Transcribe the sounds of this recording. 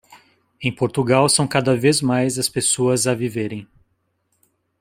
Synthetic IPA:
ẽj̃poɾt̪uɡawsɐ̃w̃kad̪ɐvezmajzɐspesoɐzɐviveɾẽj̃

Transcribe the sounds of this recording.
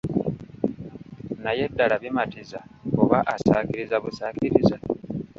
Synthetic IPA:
naje̞dːalaβimatizaoβaʔasaːkiɾizaβusaːkiɾiza

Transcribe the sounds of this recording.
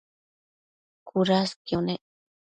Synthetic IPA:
kuɾaskjone

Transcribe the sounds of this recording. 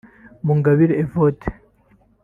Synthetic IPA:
muŋɡaβiɾeevotʰe̥

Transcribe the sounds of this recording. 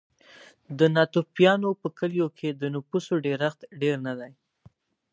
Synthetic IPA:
d̪ənɑt̪upjɑnopəkəljokʰed̪ənʊpusoɖeɾaxt̪ɖeɾnad̪aj

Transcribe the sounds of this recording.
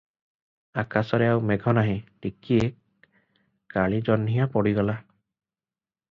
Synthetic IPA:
akasɔɾeawmeɡʱɔnaɦĩʈikie | kːaɭid͡ʒɔnːijapɔɽiɡɔla

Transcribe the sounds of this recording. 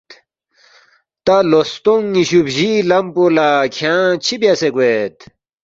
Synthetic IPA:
t̪alost̪uŋiɕupʑilɐmpolakʰjãt͡ɕʰibjaseɡwet̪

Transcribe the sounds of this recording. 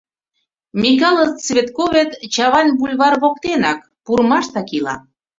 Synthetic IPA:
mʲik̬ɑlˠət͡sβʲet̪koβet̪t͡ɕɑβɑnʲbulʲβɑrβokt̪enɑk | purmɑʃt̪ɑkilɑ̰

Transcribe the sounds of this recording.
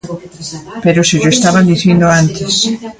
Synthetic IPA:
peɾoseʎoest̪aβand̪iθjend̪oant̪es

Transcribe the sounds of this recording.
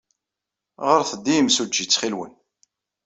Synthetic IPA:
ʁəɾθəd̪ːiəmsud͡ʒːit͡sːχilwə̰n

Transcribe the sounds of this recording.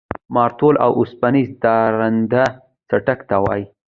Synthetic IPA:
mɑɾt̪ola̰wʔʊspanizd̪ɑɾand̪a | saʈakt̪awɑ̰j

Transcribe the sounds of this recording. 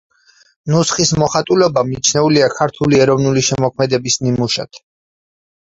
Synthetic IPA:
nusχismɔχat̪ʼulɛbamit͡ʃʰnɛuliakʰaɾt̪ʰuliɛɾɔvnuliʃɛmɔkʰmɛd̪ɛbisnimuʃa̰t̪ʰ

